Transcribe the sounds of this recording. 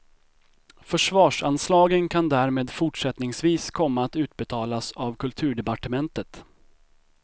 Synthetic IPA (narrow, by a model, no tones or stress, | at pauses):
fœʂvɑːʂanslɑːɡənkʰand̪æɾmeːd̪fʊʈʂɛt̪nɪŋsviːskʰɔmːaːt̪ʉ̟ːt̪̚bɛt̪ʰɑːlasavkʰɵlt̪ʰʉ̟ːɖɛpaʈəmɛnt̪ət̪